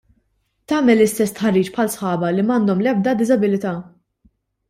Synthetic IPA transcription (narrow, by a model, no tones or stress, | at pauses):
t̪ɐːmɛlːɪst̪ɛsːt̪ħɐrːiːt͡ʃpħɐlsħɐːbɐlimɐːnd̪ɔmlɛb̚d̪ɐd̪ɪzɐbɪlɪt̪ɐː